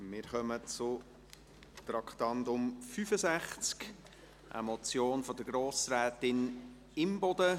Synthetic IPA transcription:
mɪːɾχœmət͡sʊ | t̪ɾɑkʰt̪ɑnt̪ʊmfyfəzæχt͡sk | ʔə̰mɔt͡sjoːnfɔd̪əɡɾoːsɾɛːt̪ɪn | ɪmbɔd̪ə

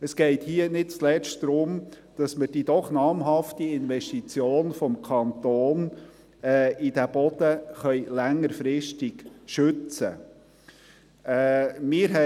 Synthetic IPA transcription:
əsɡ̥ɛɪthiːənɪd̚t͡slɛt͡ʃtd̪̥ɾʊm | d̥ɑsməɾd̥id̥̪ɔχnɑːmɦɑftiɪnvɛʃtit͡sjoːnfɔmkʰɑnt̪oːn | ɛid̥æb̥ɔd̪̥əχœʏlæŋːəɾfɾɪʃtɪɡʃɵt͡sə̰ | ɛːmɪːɾɦɛ

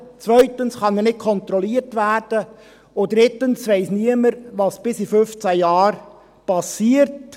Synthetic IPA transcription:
t͡sʋœʏtənsχɑnɛnɪt̚kʰɔnt̪ɾɔliəɾtʋæːɾd̥ə | ʊd̥ɾɪtənsʋɛɪsniəməɾʋɑsb̥ɪsifʏft͡sæjɑːɾ | pɑsiːəɾt

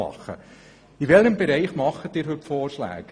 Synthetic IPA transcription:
ɑ̰χə̰ | iʋɛləmbɛɾɛɪχmɑχːətɪːɾɦɵpfoːrʃlæ̰ːk

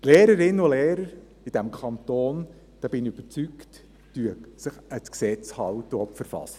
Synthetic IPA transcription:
tleːɾəɾɪnːəʊleːɾəɾ | id̥æmkʰɑnt̪oːn | d̥ɑb̥ɪniyb̥əɾt͡syktː | yəsəχət͡sksɛt͡shɑwtəɔpfəɾfɑ̰sə

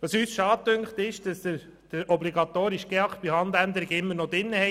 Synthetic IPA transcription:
ʋɑsyːsʃɑːtøŋkχt̪ɪʃd̥ɑsd̥ə | d̥əɾɔbliɡɑt̪oːɾiʃɡ̥eɑktb̥ihɑnd̪ænd̪əɾɪɡɪmːənod̪ɪnːəhɛ

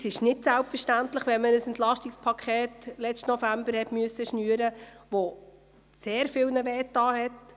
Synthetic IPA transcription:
sɪʃnɪtsælpfəʃtæntləχʋɛnmənəsɛntlɑʃtikspʰɑkʰχɛːtlɛt͡stnɔfæmbəɾhɛtmyəsːəʃnyːəɾəʋo | seːɾfɪːlnəʋɛːtːɑːhɛt

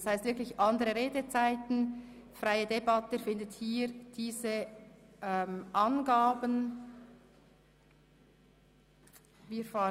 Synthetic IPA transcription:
shaɪst̪vɪɐklɪçʔɑndəʁəʁeːdət͡saɪtn̩ | fraɪədebɑtəfɪndəthiːɾd̥iːzəʔɛmʔɑnɡaːbən | viːfɑː

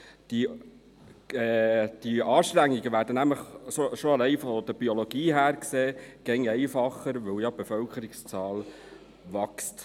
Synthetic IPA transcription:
d̥i | ɛd̪̥iɑːʃtɾæŋːiɡəʋæːɾdənæmləχʃoʃoɑlɛɪfɔd̥̪əɾb̥ioloɡ̥iːɦæːɾkseːɡ̥ɛŋɛɪfɑχːəɾʋɛwjɑb̥efœlkəɾɪkst͡sɑːl | ʋɑkst

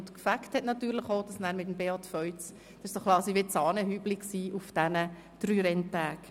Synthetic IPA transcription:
tkfækthɛtnɑtyːɾləχoːd̥ɑsnæːɾmɪt̬əmbeɑtfœʏt͡s | d̥ɑɪʃsokʰlˠɑːsiʋɪt͡sɑːnəɦyːblɪksiːʔʊfd̥ænə | d̥ɾyːɾɛntæːk

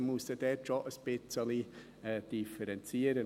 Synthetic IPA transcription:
muəsəd̥ɛtʃoʔəsb̥ɪt͡səli | ɛːd̥ifəɾɛnt͡siːəɾə

